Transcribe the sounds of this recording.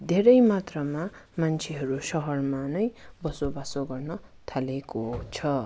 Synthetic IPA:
d̪ʱeɾʌjmat̪rʌmamant͡sʰeɦʌɾusʌɦʌrmanʌjbʌsobasoɡʌrnʌt̪ʰalekot͡sʰʌ

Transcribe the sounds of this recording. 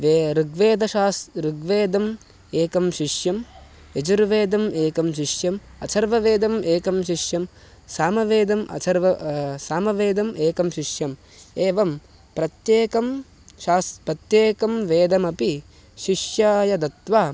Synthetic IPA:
ʋeɾuɡʋeːd̪ɐʃaːsɾuɡʋeːd̪ɐm | eːkɐmʃiʂjɐm | ed͡ʒuɾʋeːd̪ɐmeːkɐmʃ̬iʂjɐm | ɐsʰɐɾʋɐʋeːd̪ɐmʔeːkɐmʃiʃjɐm | saːmɐʋeːd̪ɐmʔɐ̰sʰɐɾʋɐsaːmɐʋeːd̪ɐmʔeːkɐmʃiʃjɐm | eːʋɐm | pɾɐt̪jeːkɐm | ʃaːspɾɐt̪jeːkɐmʋeːd̪ɐmɐpi | ʃiʂjaːjɐd̪ɐt̪ʋaː

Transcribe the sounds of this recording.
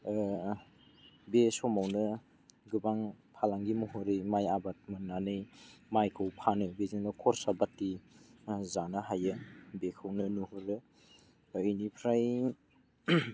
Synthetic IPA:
besɔmawnɯ | ɡɯbaŋ | pʰalaŋɡimuhɯɾimajabat̚mɯnanɯjmajkʰɯwpʰanɯbezinɯkʰɔɾsabatːi | zanɯɦajɯbekʰɯwnɯnuhɯɾɯ | jnipʰɾaj

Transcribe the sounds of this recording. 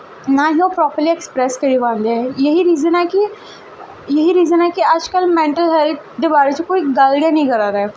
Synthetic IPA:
nãːɦĩːoːpɾɔːpəɾliːɛkspɾɛːskəɾiːʋãːnd̪eɛjəɦiːɾiːzənɛːkɪ | jəɦiːɾiːzənɛːkɪəd͡ʒkəlmɛ̃ːɳʈəlɦɛlt̪ʰd̪eːbaːɾeːt͡ʃõkoːiːɡəlɽɪjãːnĩːkəɾaːɾɛː

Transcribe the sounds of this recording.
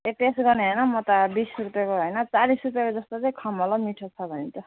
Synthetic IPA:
epesɡʌneɦʌjnʌmʌt̪ʌbisrupjekoɦʌjnʌt͡salisrup̬jekod͡zʌst̪otekʰʌmɔlomiʈʰot͡sʰʌbʱʌnit̪o

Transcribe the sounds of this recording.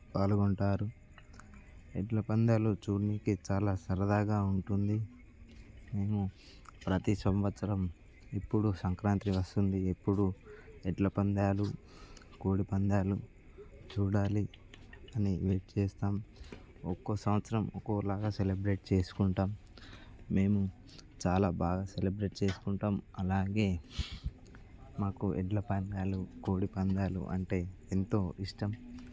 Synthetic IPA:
paːluɡoɳʈaːɾu | eʈlɐpɐnd̪aːlut͡ʃuːɾniːkit͡ʃaːlaːsɐɾɐd̪aːɡaːuɳʈund̪i | me̞ːmu | pɾɐt̪isʋɐmʋɐt̪sɐɾɐm | epːuɽusɐŋkɾaːnt̪ɾiʋɐst̪und̪iepːuɽueʈlɐpɐnd̪aːlu | koːɽipɐnd̪aːlu | t͡ʃuːɽaːliɐniʋeːʈt͡ʃɛːst̪aːm | okːoːsɐmʋɐt̪sɐɾɐmo̰koːlaːɡaːselebɾe̞ːʈ̚t͡ʃe̞ːsu̥kuɳʈaːmː | e̞ːmu | t͡ʃaːlaːbaːɡaːselebɾe̞ʈt͡ʃe̞ːsu̥kuɳʈaːmɐlaːɡe̞ː | maːkuʔɛɖlɐpɐnd̪aːluko̞ːɽipɐnd̪aːlṵʔɐ̰ɳʈe̞ːent̪o̞ːiʂʈɐm

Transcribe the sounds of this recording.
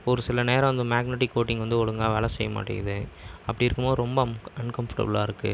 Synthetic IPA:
ɔɾɯsɪlɐneːɾɐ̃ʋɐnd̪ɐmaːɡnɛʈ̬ːɪkːoːʈːɪŋɡʋɐnd̪ɯɔɽɯŋɡaːʋeːlɐsɛjːɐma̰ːʈːɪ̰ŋɐðɯɐpːɐɽɪɪɾɯkːɯmoːɯɾɔmbɐɐnkɐmfɐ̥ʈɐ̰bɐlaːɪɾɯkːɯ̰

